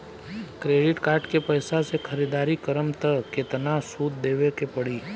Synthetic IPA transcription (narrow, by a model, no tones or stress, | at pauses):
kɾeːɖɪʈkaːɾʈkepəjsasekʰəɾid̪aːɾikəɾəmt̪əket̪nasuːd̪̚d̪eːʋekepɐɽiː